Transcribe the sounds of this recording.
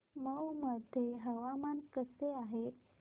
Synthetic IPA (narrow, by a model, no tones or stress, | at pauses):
məwməd̪ʱjeɦəʋamankəseaɦe